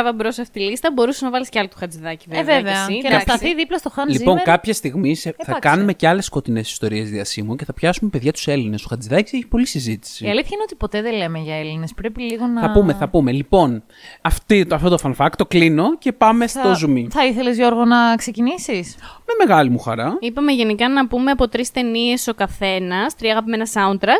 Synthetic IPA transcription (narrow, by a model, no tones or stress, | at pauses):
ɐvɐbɾosɐft̪i̥ilist̪ɐbo̞ɾuseznɐvɐlisceɐlot̪u̥xɐd͡ziðɐciveeveveɐnɐsɐθiðiplɐst̪o̞xɐnlizipo̞ŋkɐpçest̪iɣmisθɐɐkɐnume̞ceɐle̞sko̞t̪ine̞si̥st̪o̞ɾie̞zðiɐsimuce̞θɐpçɐsume̞peðʝɐt̪u̥se̞line̞stoxɐd͡ziðɐci̥seçi̥po̞lisizit̪i̥siiɐliθçɐineot̪ipo̞t̪e̞ðele̞meʝɐe̞line̞spɾe̞piliɣo̞nɐɐpumeθɐpume̞lipo̞n | ɐft̪iɐft̪ot̪ofɐnfɐkt̪o̞klino̞ce̞pɐme̞st̪o̞zumiθɐiθelezʝo̞ɾɣonɐkse̞cinisismeme̞ɣɐlimuxɐɾɐipɐme̞ʝe̞nikɐnɐpume̞ɐpo̞t̪ɾist̪e̞nie̞so̞kɐθe̞nɐst̪ɾiɐɣɐpmenɐsɐunt̪ɾɐs